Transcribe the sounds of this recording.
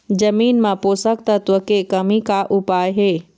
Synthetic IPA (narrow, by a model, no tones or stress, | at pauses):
d͡ʑɐmiːnmãpoːsəkt̪ɐt̪ʊkekɐmikaʔʊpaːjɦeː